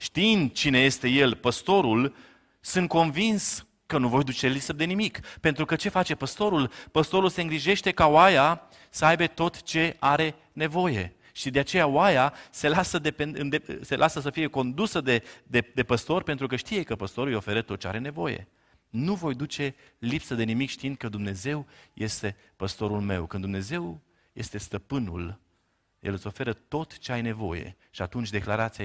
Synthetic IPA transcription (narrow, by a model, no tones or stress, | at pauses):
ʃt̪int͡ʃine̞je̞st̪e̞je̞lpəst̪o̞ɾul | sɨnt̪̚ko̞nvins | kənuvo̞jd̪ut͡ʃe̞lisəd̪e̞nimikpe̞nt̪ɾukət͡ʃe̞fat͡ʃe̞pəst̪o̞ɾulpəst̪o̞ɾulse̞ɨŋɡɾiʒe̞ʃt̪e̞kaoaja | səajbe̞t̪o̞t̪t͡ʃe̞aɾe̞ | ne̞vo̞je̞̰ | ʃid̪e̞at͡ʃe̞jawajase̞lasəd̪e̞penɨnd̪ese̞lʔasəsəfije̞ko̞nd̪usəd̪e̞d̪ed̪e̞pəst̪o̞rpe̞nt̪ɾukəʃt̪ijekəpəst̪o̞ɾujo̞fe̞ɾət̪ot̪̚t͡ʃea̰ɾe̞ne̞vo̞je̞̰ | nuvo̞jd̪ut͡ʃe̞ | lipsəd̪e̞nimikʃt̪iind̪̚kəd̪umne̞ze̞wje̞st̪e̞ | pəst̪o̞ɾulme̞̰wkɨnd̪umne̞ze̞w | je̞st̪e̞st̪əpɨnṵl | jḛlɨt̪so̞fe̞ɾət̪o̞t̪t͡ʃe̞ajne̞vo̞̰je̞̰ | ʃiat̪unt͡ʃʲd̪e̞klaɾat̪si